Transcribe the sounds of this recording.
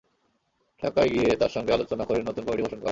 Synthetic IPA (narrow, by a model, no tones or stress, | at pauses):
ʈʰakaɡiet̪aɾʃɔŋɡealot͡ɕonakoɾenot̪unkomiʈiboʃonkɔ̰